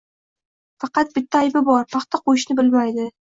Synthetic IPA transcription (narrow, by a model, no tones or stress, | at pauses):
fɑqɑt̪̚bɪt̪ʰːaːjbɪbɒɾpʰɑqt̪ʰaqʰojɪʃnɪbɪlmajd̪ɪ